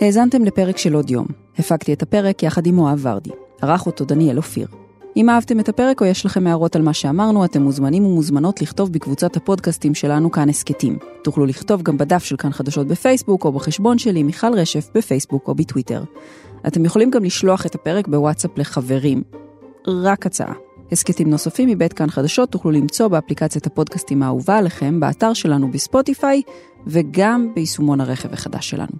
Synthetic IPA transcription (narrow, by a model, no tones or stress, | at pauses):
he̞ːzante̞mle̞pe̞ʁe̞kʃe̞lo̞djo̞̰m | hefaɡt̪ietape̞ʁe̞kjaχadimoaːva̰ʁtḭhaʁaχot̪o̞d̪anielofḭʁ | ʔimaavte̞me̞tape̞ʁe̞ko̞jeʃlaχemːeaʁo̞talmaʃeamaʁnuate̞mːuzmanimumuzmano̞tliχto̞vbekvut͡sathapo̞dkastimʃe̞lanukanesketḭmtuχluliχto̞vɡambedafʃe̞lkanχadaʃo̞t̚befe̞jsbuko̞beχeʃbo̞nʃe̞limiχalʁe̞ʃe̞fbefe̞jsbuko̞̰bitwite̞̰ʁ | ʔate̞mjeχo̞limɡamliʃloaχetape̞ʁe̞kbewatsaple̞χave̞ʁim | ʁakat͡sa̰ʔa̰he̞sketimno̞safimːibetkanχadaʃo̞tːuχlulimt͡so̞beaplikat͡sjathapo̞dkastimaːṵvaːleχe̞mbea̰taʁʃe̞lanubespo̞tifaj | ve̞ɡambeisumo̞nhaʁeχe̞vaχada̰ʃːe̞la̰nu